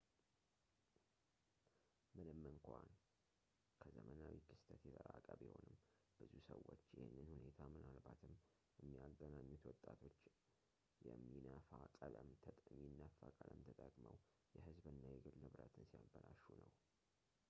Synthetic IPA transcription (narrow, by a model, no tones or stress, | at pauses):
mɨnɨmːɨŋkʷan | kʰəzəmənawikʰɨst̪ʰət̪jɛt̪ʰʼəɾakʼəβjɪho̞nɨmː | b̥ɨzusəwːot͡ʃːjɪhɪnːɨnhune̞t̪ʰamɨnalbat̪ʰɨmː | jɛmːijaɡːənaɲːut̪wɔt̪ʼːat̪ʰo̞t͡ʃː | jɛmːinəfakʼələmt̪ʰʼminːəfakʼələmt̪ʰət̪ʼəkʼməw | jɛhɨzbɨnːajɛɡɨlnɨβɾət̪ʰɨnsijabəlaʃunəw